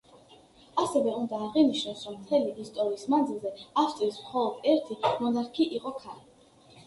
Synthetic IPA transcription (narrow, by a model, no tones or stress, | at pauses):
asɛvɛund̪aːʁiniʃnɔsɾɔmt̪ʰɛliʔːst̪ʼɔɾiːsmand̪zilˠzɛaft̪ʼiismχɔlˠɔd̪̥ɛɾt̪ʰimɔnaɾkʰiʔiqʼɔkʰali